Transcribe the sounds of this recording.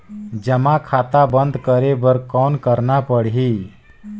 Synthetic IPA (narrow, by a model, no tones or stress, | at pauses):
d͡ʒəmakʰaːt̪abənd̪kəɾebəɾkɔːnkəɾnapəɽɦi